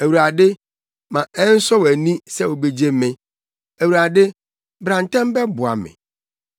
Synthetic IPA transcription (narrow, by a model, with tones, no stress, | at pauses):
æ˨wu˨ɾa˨dɪ˦ | mã˨ɛ˦n̩˦sɔ˦wæ˨nĩ˦sɛ˦wo˨be˨d͡ʑe˦mɪ̃˦ | æ˨wuɾa˨dɪ˦ | bɾã˨n˨tʰã˦m˦bɛ˦bʊ˨a̰˨mɪ̰̃˨